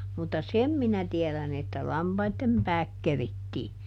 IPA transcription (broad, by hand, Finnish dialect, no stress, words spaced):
mutːɑ sem minæ tiɛlæn etːæ lɑmpɑitːem pæːk keritːiː